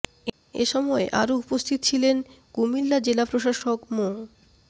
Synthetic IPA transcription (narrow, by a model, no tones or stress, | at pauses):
ḛʃɔmɔeʔa̰ɾoupost̪ʰit̪ot͡ɕʰilen | ɡ̥umilːad͡ʑelapɾoʃaʃokmo